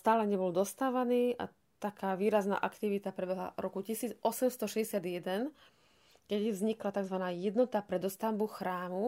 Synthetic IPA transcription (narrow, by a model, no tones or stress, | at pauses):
st̪aːlɛɲɛbɔld̪ɔst̪aːʋaniːʔa̰ | t̪akaːʋiːɾazna̰ːʔakt̪iʋit̪apɾɛbɛɦla̰ɾɔkucisiːd͡zʔɔsɛmst̪ɔʃɛzɛsɪad̪jɛd̪ɛn | kɛɟvzɲiklat̪aɡzʋanaːjɛd̪nɔt̪apɾɛd̪ɔst̪ambuxɾaːmu